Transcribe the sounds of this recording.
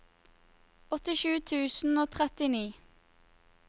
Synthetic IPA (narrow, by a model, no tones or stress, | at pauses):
ɔt̪ɪʃʉːt̪ʰʉːsn̩oːt̪ʰʁɛt̪ɪniː